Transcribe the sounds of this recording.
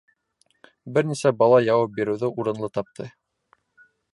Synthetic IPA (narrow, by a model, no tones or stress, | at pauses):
bɘɾnisæbɑlˠɑjɑwɑp̚biɾɘ̆wðɘʔuɾɤ̆nlˠɤt̪ɑp̚t̪ʰɤ̰